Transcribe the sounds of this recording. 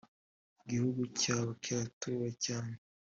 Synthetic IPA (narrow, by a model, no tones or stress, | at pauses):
iɡihuɡucaːwocaːtuwacaːne